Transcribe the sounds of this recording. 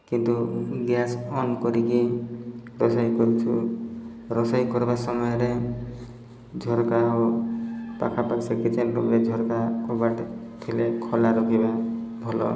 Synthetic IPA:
kint̪uɡjasɔnkɔɾiki | ɾɔsajkɔɾit͡ʃʰu | ɾɔsɔjkɔɾibasɔmɔjɔɾe | d͡ʒʱɔɾkaɦu | pa̰kʰapaksekit͡ʃʰɛnt̪umɾed͡ʒʱɔɾkakɔbaʈ | t̪ʰilekʰɔlaɾɔkʰibabʱɔlɔ̰

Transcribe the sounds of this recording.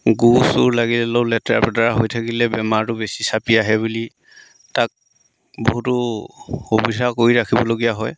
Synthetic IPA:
ɡusʊɹlaɡilɛloʊlɛta̰pɛdaɹaɦojtʰakilɛbɛmaɹtʊbesisapiaɦɛβuli | tak̚ | bo̰ɦutʊhubidʱakoɹiɹakʰibɔloɡijaɦɔj

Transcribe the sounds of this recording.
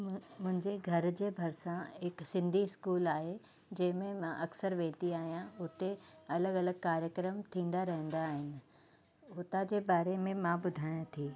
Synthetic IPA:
mʊ̃ɦɪ̃ɲd͡ʑeɡʱɐɾd͡ʑeːbʱɐɾsãɦɪksɪ̃nd̪ʱiɪskuːlaːɦe | d͡ʑɐ̃ɦɪ̃mẽmãʔɐksəɾʋẽːt̪iaːɦijãʊt̪eɐləɡɐləɡkaːɾjəkɾəmt̪ʰĩːn̆d̪aɾɐɦə̃nd̪aːɦɪnɪ̆ | ɦʊt̪ad͡ʑeːbaːɾemẽmãbʊd̪ʱaːjãt̪ʰiː

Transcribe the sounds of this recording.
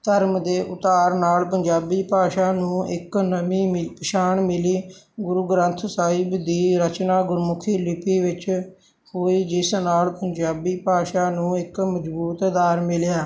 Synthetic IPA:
t̪əɾmd̪eːʔʊt̪aːɾnaːlpəɲd͡ʒaːbiːpaːʃaːnũːɪknəmiːmɪpɪʃaːɳmɪliː | ɡʊɾuɡɾə̃nt̪ʰsaːɦɪbd̪iːɾət͡ʃnaːɡʊɾmʊkʰiːlɪpiːʋɪt͡ʃ | hoːiːd͡ʒɪsnaːlpəɲd͡ʒaːbiːpaːʃaːnũːɪkməd͡ʒbuːt̪d̪aːɾmɪljaː

